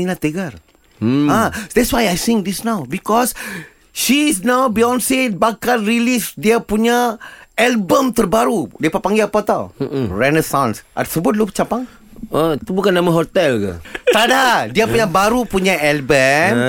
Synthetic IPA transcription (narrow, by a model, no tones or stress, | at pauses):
inat̪eɡar | ad̪ɛtswajajsĩŋd̪isnawbikɔs | ʃisnawbiɔ̃nsit̚bakanɾilisdiapuɲaɛlbəmt̪ərbaɾudiapapaŋɡiapat̪aw̩rɛnesãnsʔa̰səbʊt̪̚lut͡ʃapaŋ | ət̪ubukanːamãɦɔt̪ɛlka̰t̪adadiapuɲabaɾupuɲaɛlbəm